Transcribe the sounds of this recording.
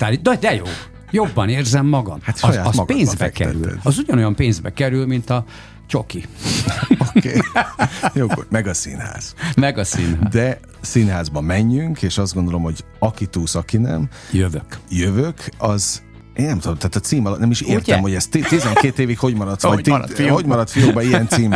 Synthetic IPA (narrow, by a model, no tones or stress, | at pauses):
t̪alid̪ɒd̪ɛjoː | jo̞bːɒneːrzɛmːɒɡɒ̰mhat̪ʃɔjaːɒsɒɡpeːnzbɛ̰ɛ̰kkɛ̰ɾy̰lɛ̰ɒzuɟɒno̞jɒmpeːnzbɛkɛɾylmint̪ɒ | t͡ʃo̞ki | okeː | jomɛɡɒsḭnha̰ːz̥mɛɡɒsinɦaːd̪ɛ | siːnɦaːzbɒmɛɲːyŋkeːʃɒzd̪ɡond̪olo̞mho̞ɟ | ɒkit̪uːsɒkinɛ̰m | jøvøkjøvøkʰɒz | eːnnɛmt̪ud̪omt̪aːt̪ɒt̪siːmɒlt̪nɛmiʃeːrt̪ɛmho̞ɟɛst̪it̪izɛŋkeːt̪eːvikho̞ɟmɒɾɒt̪sɒt̪oɟmɒɾɒt̪fijobɒiɛnt̪siːm